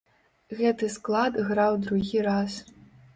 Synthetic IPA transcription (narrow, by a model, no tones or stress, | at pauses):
ɣɛt̪ɨsklˠad̪ɣɾawd̪ɾuɣʲiɾas